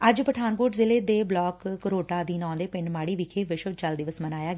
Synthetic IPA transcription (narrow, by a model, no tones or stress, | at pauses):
əd͡ʒpəʈʰaːnkoːʈzɪleːd̪eːblɔːkːəɾoːʈaːd̪iːnɔ̃ːd̪eːpɪɳɖmaːɽiːʋɪkʰeːʋɪʃəʋt͡ʃəld̪ɪʋəsmənaːjaːɡ